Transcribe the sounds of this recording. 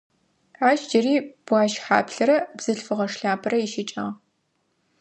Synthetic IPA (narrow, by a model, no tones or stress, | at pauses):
aːʃd͡ʒɐriːb̥ʷɑːʃħa̰ːpɬɨɾɐbz̥ɨɬfɨʁɐʂɬaːpʰɨrɐjɪʃɪt͡ʃʼɐ̰ʁ